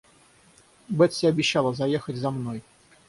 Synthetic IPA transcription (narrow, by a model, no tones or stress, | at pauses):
bɛt̪sʲɪɐbʲɪɕːalˠəzɐjexətʲzɐmnoj